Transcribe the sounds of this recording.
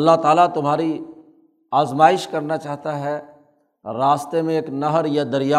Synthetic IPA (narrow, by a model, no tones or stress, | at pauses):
ɐlːaɦt̪aːlat̪ʊmɦaːɾi | aːzmaːɪʃkɐɾnat͡ʃaːɦt̪aɦɛ | ɾaːst̪emẽeːknɐɦəɾjad̪ɐɾjaː